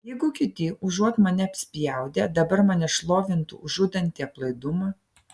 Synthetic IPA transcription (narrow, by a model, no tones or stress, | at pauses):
jɛɪɡʊkʲɪt̪ʲɪʔʊʒuɔt̪mɐnʲɛɐpʲsʲpʲɪjɛˑʊd̪ʲeːd̪ɐbɐɾmɐnʲɛʃlˠoːʋʲɪnt̪ʊ̰ʊʒʊd̪ʲɐnʲt̪ʲiːklˠɐɪd̪ʊmɐ